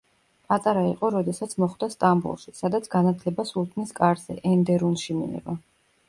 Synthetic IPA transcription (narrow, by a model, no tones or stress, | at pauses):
pʼat̪ʼaɾaiqʼɔɾɔd̪ɛsat̪sʰmɔχd̪ast̪ʼambṵlˠʃi̥sad̪at̪sʰɡanat̪ʰlɛbasulˠt̪ʰniskʼaɾzɛ̰ʔɛnd̪ɛɾunʃimḭɛ̰va